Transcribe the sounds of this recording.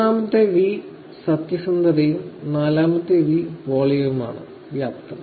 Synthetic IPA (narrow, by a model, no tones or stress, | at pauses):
aːmɐt̪ːeʋi | sɐt̪jɐsɐnd̪ɐɾɐjumnaːlaːmɐt̪ːeʋipoːɭijɐʋuma̰ːɳɨ̰ | ʋjaːpt̪rɐ